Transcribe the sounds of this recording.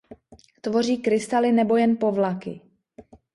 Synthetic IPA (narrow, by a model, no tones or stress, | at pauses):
t̪vo̞riːkɾɪst̪alɪnɛbo̞jɛnpo̞vlakɪ̰